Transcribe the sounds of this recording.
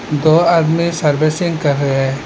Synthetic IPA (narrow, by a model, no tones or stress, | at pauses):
d̪oːad̪misɐɾbesɪ̃ŋɡkɐɾːɐɦɛ